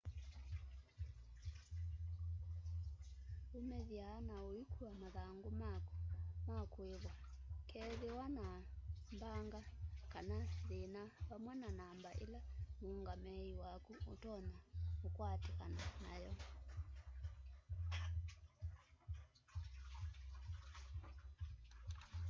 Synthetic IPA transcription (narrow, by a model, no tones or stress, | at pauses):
omɛðjaːnaoikuamaðaŋɡoma | makweβa | kʰɛðewanambaŋɡakanaðenaβamwɛnanambaʔḛlamoŋɡamɛiwakuotɔnaokwatekananajɔ